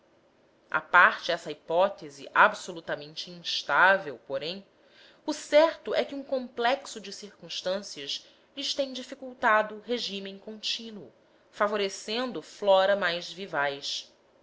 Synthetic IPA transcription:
a̰paɾt͡ʃɪɛsɐipɔt̪ezɪʔabsolut̪ɐmẽnt͡ʃɪĩʃt̪avewpoɾẽj̃ | usɛɾt̪ʊʔɛkɪũkõmplɛksʊd͡ʒɪsiɾkũʃt̪ɐ̃siɐʃ | lɪʃt̪ẽj̃d͡ʒifikuwt̪ad̪ʊɦeʒĩmẽj̃kõnt͡ʃĩnwʊ̰ | favoɾesẽnd̪ʊflɔɾɐmajzvivajs

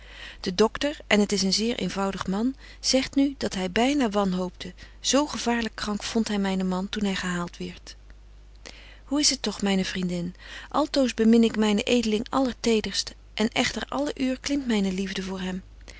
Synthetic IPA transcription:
d̥ədɔktəɹʔɛnɦətɪsənzɪːɹʔḛjnvɑwdəχmɑn | z̥ɛχtnyd̥ɑtɦɛjbɛjnaːʋɑnɦowp̚də | z̥owχəv̥aːɹləkːrɑŋkfɔntɦɛjmɛjnəmɑntunɦɛjχəɦaːlˠtʋɛɹt | huɪsɦətːɔχmɛjnəvrindɪnʔɑlˠtowzbəmɪnɪkmɛjnəʔejdəlɪŋʔɑ̰ləɹtejdəɹst | ʔɛnɛχtəɹʔɑ̰ləʔyːɹklɪmtmɛjnəlivdəvʊːɹɦɛm

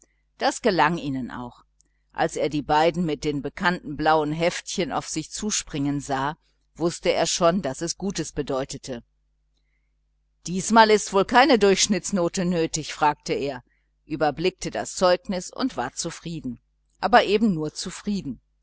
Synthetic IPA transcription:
d̥asɡ̥əlaŋiːnənʔa̰ʊx | ʔa̰lseːɐdiːbaɪdn̩mɪt̚d̥eːnbəkʰantn̩blaʊənɦɛftçəna̰ʊfz̥ɪçt͡suːʃpʁ̥ɪŋənzaː | v̥ʊstəeːɐʃoːndasɛsɡ̥uːtəsb̥ədɔʏtətʰə | d̥iːsmaːlɪstv̥oːlkʰaɪnədʊɐçʃnɪt͡snoːtənøːtɪçfʁ̥aːk̚təeːɐ | ʔyːbɐblɪk̚tʰəda̰st͡sɔʏknɪsʊ̰ntv̥aːɐt͡sufʁ̥iːdn̩ | ʔaːbɐʔeːbm̩nuːɐt͡sufʁ̥iːdn̩

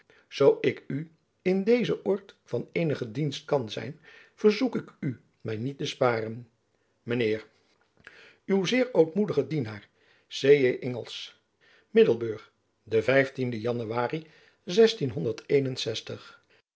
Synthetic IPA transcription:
z̥owɪky | ɪndejzəʔɔɹtfɑnejnəχədinst̚kɑnzɛ̰jn | v̥əɹzukɪky | mɛjnit̚əspaːrən | mənɪːɹ | ywzɪːɹowtmudəχədinaːɹ | sejeʔɛŋəlˠs | mɪdəlˠbøːχ | dəvɛjftindəjɑnyʋaːri | zɛstinɦɔndəɹtʰejnənsɛstəχ

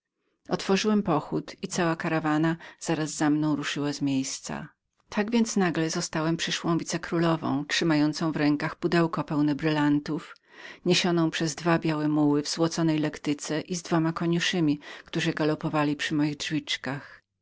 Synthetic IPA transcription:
ɔt̪fɔʐɘwɛmpɔxut̪it̪sawakaɾavanaz̥aɾazːamnɔ̃w̃ɾuʂɘwazmʲjejst̪sa̰ | t̪ʰaɡvʲjent̪snaɡlɛzɔst̪awɛmpʂɘʂwɔ̃w̃vʲit̪sɛkɾulɔvɔ̰̃w̃tʂɘmajɔnt̪sɔ̃w̃vɾɛŋkaxpud̪ɛwkɔpɛwnɛbɾɘlant̪uf | ɲeɕɔnɔ̃w̃pʂɛzd̪vabʲjawɛmuwɘvz̥wɔt̪sɔnɛjlɛkt̪ɘt̪sɛʔizd̪vɔmakɔɲuʂɘmʲikt̪uʐɨɡalɔpɔvalʲipʂɘmɔjiɣdʐvʲit͡ʂkax

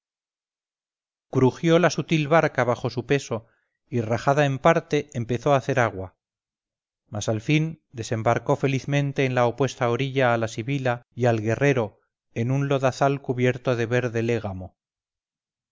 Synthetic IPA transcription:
kɾuxjo̞lasut̪ilβaɾkaβaxo̞supe̞so̞ | iraxaðaempaɾt̪e̞ʔempe̞θo̞aːθe̞ɾaɣwa | masalfind̪e̞se̞mbaɾko̞fe̞liθmẽ̞nt̪e̞ːnlaopwe̞st̪aoɾiʎaːlasiβilajalɣe̞re̞ɾo̞ | e̞nunlo̞ðaθalkuβje̞ɾt̪oðe̞βe̞ɾðe̞le̞ɣ̞amo̞

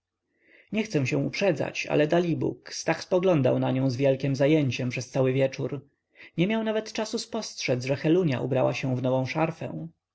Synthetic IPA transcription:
ɲɛxt̪sɛw̃ɕɛ̃w̃upʂɛd̪za̰t͡ɕa̰lɛd̪alʲibṵkst̪akspɔɡlɔnd̪a̰wnaɲɔ̃w̃zvʲjɛlkʲɛmzajeɲt͡ɕɛmpʂɛst̪sawɘvʲjɛt͡ʂuɾ | ɲɛmʲjawnavɛt̪t͡ʂasuspɔstʂɛd̪zʐɛxɛluɲja̰ʔṵbɾawa̰ɕɛw̃vnɔvɔ̃w̃ʂaɾfɛ̰̃w̃

